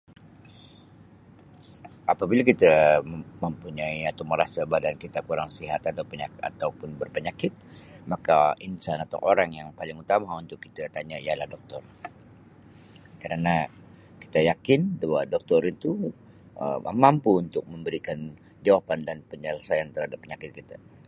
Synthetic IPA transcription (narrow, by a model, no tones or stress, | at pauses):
ʔapabilak̬it̪aməmpuɲaiat̪awməɾasabadankit̪akuɾaŋsiɦat̪at̪apəɲaa̰t̪awpʊnbərpəɲakɪt̪̚makainsanat̪a̰ʔoɾaŋjaŋpalɪŋut̪amaunt̪ʊkːit̪at̪aɲaijalahdɔk̚t̪ɔr | kəɾana | ki̥t̪ajakɪndawadɔk̚t̪ɔɾint̪u | ə̰mampuːnt̪ʊk̚məmbəɾikan | d͡ʒawapandanpəɲəlasajant̪əɾrhadapːəɲakɪt̪̚kit̪a